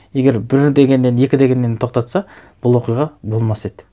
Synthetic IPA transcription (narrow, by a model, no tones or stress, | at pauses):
e̞ɡʲe̞ɾbɪɾd̪e̞ɡʲe̞nːe̞ne̞kʲɪd̪e̞ɡʲe̞nːe̞nt̪ʰo̞q̚t̪ɑt̪sɑ | b̥ʊlˠwo̞qijʁɑbo̞lˠmɑse̞d̪ɪ